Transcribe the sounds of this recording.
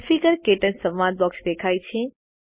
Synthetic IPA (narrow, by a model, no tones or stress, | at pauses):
fikəɾkeːʈənsɐ̃ʋʋãd̪̚bɔksd̪eːkʰaːit͡ɕʰĩ